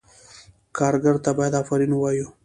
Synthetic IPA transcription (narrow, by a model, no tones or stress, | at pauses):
kɑːɾɡaɾt̪abajad̪afaɾinwɑju